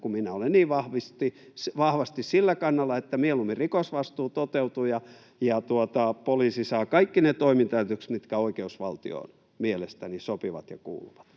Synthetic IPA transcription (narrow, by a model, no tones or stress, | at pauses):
kuminæolenniːʋɑhʋist̪i | ʋɑhʋɑst̪issilːækɑnːɑlːɑet̪ːæmielumːirikosʋɑst̪uːt̪ot̪eut̪ujɑ | jɑt̪uot̪ɑpoliːsisɑːkɑikːinet̪oimint̪æyt̪øksmit̪kæoikeusʋɑlt̪ḭo̰n | mielest̪ænisopiʋɑ̰t̪jɑ̰kṵːlṵʋɑ̥t̪